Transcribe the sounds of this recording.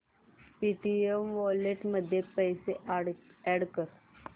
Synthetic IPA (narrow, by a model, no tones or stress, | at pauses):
piʈiemʋɔleʈməd̪ʱːjepəjse | ɛɽkəɾ